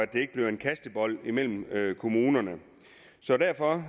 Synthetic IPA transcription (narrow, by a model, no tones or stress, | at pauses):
æd̥e̝e̝ɡ̥əb̥le̝ʊe̝nkʰæsd̥əb̥ɒ̽l̰imel̰m̩økʰo̝muːnɐnə | sɒ̽d̥æɐfɒ̽